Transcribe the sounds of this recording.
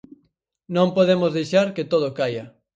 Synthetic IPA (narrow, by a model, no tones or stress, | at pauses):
nõmpoðemʊzðejʃaɾket̪oð̞okajɐ